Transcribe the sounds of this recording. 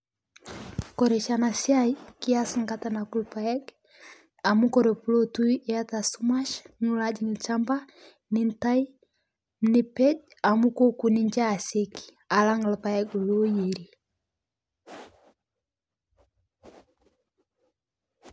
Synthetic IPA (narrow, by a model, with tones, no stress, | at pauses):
kɔ˨ɾɛ˨t͡ʃana˨sia˦jki˦ja˦sŋɡa˦ta˨na˨ku˦lpa˨ɛ˦ɡ | a˨mu˦kɔ˨ɾe˨pu˦lo˦tu˦jɛ˦ja˦ta˨su˦ma˦ʃnu˦la˦d͡ʒi˨ŋi˨lt͡ʃamba˦ | nɪ˦nta˦i˦ | mni˦pe˦d͡ʒ | a˨mu˦ko˦ku˨ni˦ɲd͡ʒa˦˨se˦ki̥ | a˨la˦ŋ˨lpa˨jɛ˦ɡlo˦je˨ɾi˨